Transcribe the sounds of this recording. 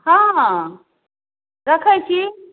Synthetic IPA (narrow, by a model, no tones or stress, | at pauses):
hã | ɾakʰaːjt͡ɕʰi